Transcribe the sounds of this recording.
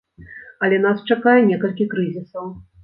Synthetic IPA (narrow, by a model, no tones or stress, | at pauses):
ɐlʲɛn̪ast͡ʂakajɛnʲɛkɐlʲkʲikɾɨzʲisɐw